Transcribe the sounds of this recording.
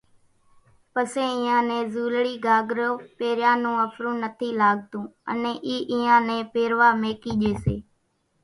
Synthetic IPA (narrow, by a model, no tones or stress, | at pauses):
pəsẽːɪːãːnẽːzuːlɽiːɡaːɡɾoːpeːɾjãːnũːəfʰɾũːnət̪ʰiːlaːɠ̚t̪ũːə̰nẽːʔiːʔiːãːnẽːpeːɾʋaːmeːkiːʄeːsḛː